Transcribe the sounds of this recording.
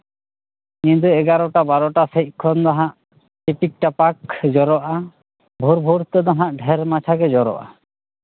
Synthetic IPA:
kint̪̬uɛɡaɾɔʈabaɾɔʈasec̪̚kʰɔnd̪aɦãʔ | ʈeʈik̚ʈapakd͡ʒɔɾɔʔa | bʱoɾbʱoɾt̪ed̪aɦãʔɖʱɛɾmat͡ʃʰaked͡ʒɔɾɔ̰ʔa̰

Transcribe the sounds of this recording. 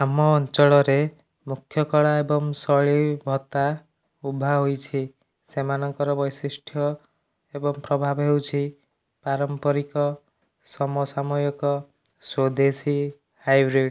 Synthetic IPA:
amɔːnt͡ʃɔɭɔɾe | mukʰjɔkɔɭaebɔŋsɔɭibʱɔt̪a | ubʱaɦojt͡ʃʰi | semanɔŋkɔɾɔbʌjsisʈʰjɔ | ebɔŋpɾɔbʱabɦewt͡ʃʰi | paɾɔmpɔɾikɔ | sɔmɔsamɔjɔkɔ | swod̪esi | hajbɾiɖ

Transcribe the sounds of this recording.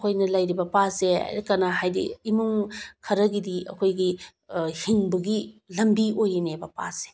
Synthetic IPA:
kʰojnɐlɐjɾibɐpasea̰kɐnaɦajdḭimuŋkʰɐɾɐɡidiʔɐ̰kʰojɡi | hiŋbɐɡilɐmbiojnebɐpa̰se̥

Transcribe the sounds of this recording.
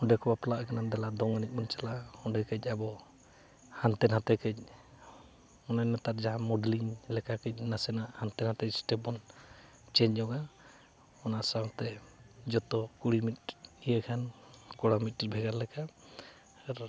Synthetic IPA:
hɔɳɖɛkɔbaplaʔkanand̪ɛlad̪ɔŋanik̚mɔnt͡ʃalahɔɳɖɛkɛcˀabɔ | hant̪ɛnhat̪ɛkɛc̚ˀ | ɔnaɲnat̪aɾd͡ʒaɦãmɔɖliɲlɛkakɛc̚ˀnasɛnaʔhant̪ɛnhat̪ɛc̚sʈɛbɔn | t͡ʃɛɲd͡ʒɔɡa | ɔnaʔsamt̪ɛd͡ʒɔt̪ɔkuɽimit̪̚ijəkʰankɔɽamit̪̚ːɾbʱɛɡaɾlɛka | aɾ

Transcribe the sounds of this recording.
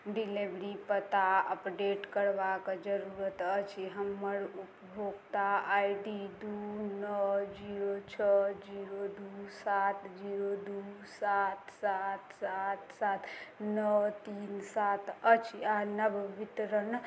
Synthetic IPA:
ɖilebɾipət̪aəpɖeʈkəɾbaked͡ʒəɾuɾət̪ət͡ʃʰiɦəmːəɾupbʱoɡt̪aaiɖid̪unəd͡ʒiɾot͡ʃʰəd͡ʒiɾod̪usat̪d͡ʒiɾod̪usat̪sat̪sat̪sat̪nət̪insat̪ʰət͡ʃʰianəbʋit̪ɾən

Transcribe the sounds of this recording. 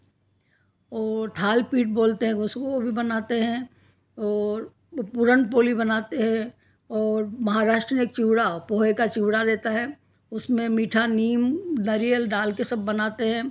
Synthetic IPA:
ɔːt̪ʰaːlpiːʈ̚boːlt̪eɦɛ̃ʊskoobʱibɐnaːt̪eɦɛ̃ | ɔːɾ | pʊɾəɳpoːlibɐnaːt̪eɦɛ̃ | ɔːɾmɐɦaɾaːʃʈɾənɪk̚t͡ʃiɦɽapoːekat͡ʃiɦɽaɾɛːt̪aɦɛː | ʊsmẽmiːʈʰaniːmnɐɾijəlɖaːlkesɐbːɐnaːt̪eɦɛ̃ː

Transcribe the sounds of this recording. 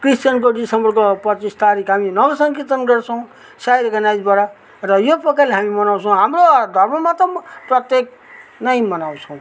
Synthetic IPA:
kristjʌnkoɖisʌmbʌrkopʌt͡sist̪aɾikɦaminʌɡʌsʌŋkit̪ʌnɡʌrt͡sʰʌw̃ | sajɾʌkʌnajd͡zbaɽa | rʌjopʌkaleɦamimʌnaw̃t͡sʰʌ̃w̃ɦamrod̪ʱʌrmʌmat̪ʌprʌt̪jek̚ | nʌjmʌnaw̃t͡sʰʌw̃

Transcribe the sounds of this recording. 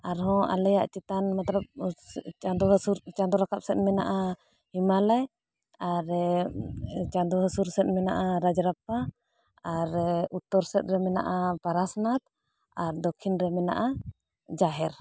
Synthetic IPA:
aɾɦɔ̃ʔa̰lɛjaʔt͡ʃit̪anmat̪lap̚ | ad̪ɔɦsuɾt͡ʃand̪ɔɾakap̚sɛt̪̚ˀmɛna̰ʔa | himalaj | aɾ | t͡ʃad̪ɔɦəsuɾsɛt̪̚ˀmɛnaʔaɾad͡ʒɾap̚a | aɾut̪ːɔɾsɛt̪̚ɾɛmɛna̰ʔapaɾasnat̪̚ | aɾd̪ɔkʰːinɾɛmɛna̰ʔa | d͡ʒaɦɛɾ

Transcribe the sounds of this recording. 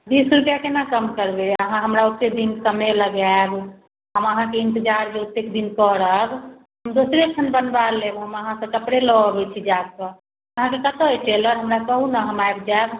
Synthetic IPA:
b̪isɾupjakenakəmkəɾbeəɦãɦəmɾaut̪ːekd̪inkəmeləɡaeb | ɦəməɦãkeint̪əd͡ʒaɾd͡ʒeut̪ːekd̪inkəɾəb | ɦəmd̪osɾekt͡ʃʰənbənbalebɦəməɦãsə̃kəpɾeləbɛt͡ʃʰid͡ʒad̪̚kə | əɦãkekət̪oeʈeləɾɦəmɾakəɦunaɦəmaebd͡ʒaeb

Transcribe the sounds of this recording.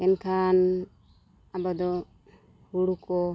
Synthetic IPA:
ɛnkʰan | abad̪ɔ | huɽukɔ

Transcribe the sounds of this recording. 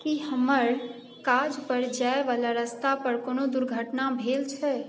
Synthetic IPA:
kiɦəməɾ | kad͡ʒpəɾd͡ʒaeʋalaɾəst̪apəɾkonod̪uɾɡʱəʈnabʱelt͡ʃʰɛ

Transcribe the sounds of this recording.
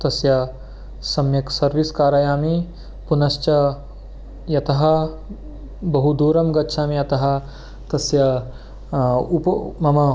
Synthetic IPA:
t̪ɐsjɐ | sɐmjɐksɐɾʋiskaːɾɐjaːmi | punɐʃt͡ʃɐ | jɐt̪ɐɦɐ̆ | bɐɦud̪uːɾɐmɡɐtːʃʰaːmijɐt̪ɐɦɐ̆ | t̪ɐsjɐ | upmɐmɐ

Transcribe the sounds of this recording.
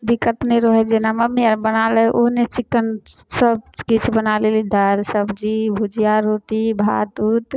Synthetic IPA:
b̪ikət̪neɾɔɦɛd͡ʒenaməmːijaɾbənalɛʔoɦnet͡ʃikːənsəb̚kit͡ʃʰbənalelid̪əɾsəbd͡ʒibʱud͡ʒijaɾoʈibʱa̰d̪uʈ̪

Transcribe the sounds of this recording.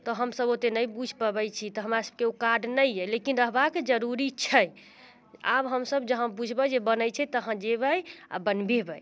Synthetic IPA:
t̪ɔɦəmsəbot̪enəjbud͡ʒʱpəbəjt͡ʃʰit̪ɔɦəmɾasəb̚keokaɾɖnəjːɛlekinɾəɦbakd͡ʒəɾuɾit͡ʃʰəj | a̰bɦəmsəbd͡ʒəɦə̃bud͡ʒʱʰbəd͡ʒebənəjt͡ʃʰɛt̪əɦə̃d͡ʒebəja̰bənbebəj

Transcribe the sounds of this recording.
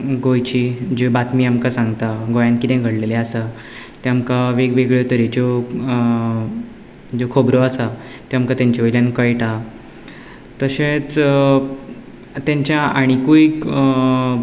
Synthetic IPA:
ɡojt͡ɕiːd͡ʑebat̪miːamkasãŋɡt̪aɡojãnt̪̚kit̪ɛ̃ɡʱəɽleleasa | t̪eamkaʋeɡʋeɡɭjet̪əɾed͡ʑo | d͡ʑokʰobɾoasa | t̪eamkat̪jaɲt͡ɕeʋəjljãnkəjʈa | t̪əɕẽt͡s | t̪jãɲt͡ɕjaaɽ̃ikuik

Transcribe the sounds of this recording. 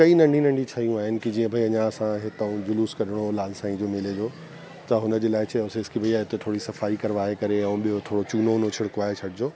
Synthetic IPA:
kɐinɐ̃ɳɖʱinɐ̃ɳɖʱit͡ɕʰajũaːɦɪnɪ̆kid͡ʑĩːə̃bʱɐiɐɲãɐsãɦɪt̪əũd͡ʑʊluːskɐɾɪɽ̃olaːlsãːĩd͡ʑoːmɪled͡ʑoː | t̪ɐɦʊnə̆d͡ʑeːlaːɪt͡ɕʰɐʊseɪskibʱɐiaːeʊt̪et̪ʰoːɽisɐfaːikɐɾʋaːekɐɾeɛ̃ũɓijot̪ʰoːɽot͡ɕuːnonoːt͡ɕʰɪɽkʊaːɦet͡ɕʰɐɽɪd͡ʑoː

